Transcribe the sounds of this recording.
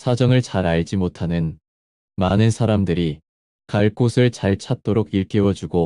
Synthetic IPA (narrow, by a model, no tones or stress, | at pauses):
sʰad͡ʑʌŋɯɭt͡ɕaɾaɭd͡ʑimotʰanɯn | manɯnsʰaɾamdɯɾi | kaɭk͈osʰɯɭt͡ɕaɭt͡ɕʰat̚t͈oɾoɡiɭk͈ewʌd͡ʑuɡo